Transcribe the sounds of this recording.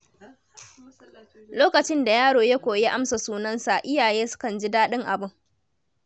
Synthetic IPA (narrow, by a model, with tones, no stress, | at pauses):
loː˦kɐ˨t͡ʃɪ˦nda˨jaː˦ɽoː˨ja˦kʷoː˨jaː˦ʔa˦msa˨suː˦nɐ˦nsa˨ʔɪ˦jaː˨jeː˦sʊ̥˦kɐ˨nd͡ʒi˦daː˦ɗɪ˦ŋʔa˨bʊ˦ŋ